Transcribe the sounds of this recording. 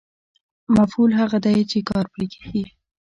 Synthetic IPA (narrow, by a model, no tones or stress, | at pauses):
mafhulɦaɣad̪ajt͡ʃekɑɾpliɡe̥ɡi